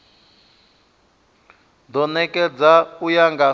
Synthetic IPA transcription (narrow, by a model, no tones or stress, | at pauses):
d̪ɔnɛkʼɛd͡zaujaŋɡa